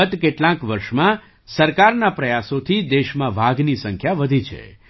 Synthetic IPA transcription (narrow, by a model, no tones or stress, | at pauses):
ət̪keʈlãkʋəɾʃmã | səɾkaɾnapɾəjasot̪ʰid̪eʃmãʋʱaɡnisəŋkʰjaʋəd̪ʱit͡ʃʰḛ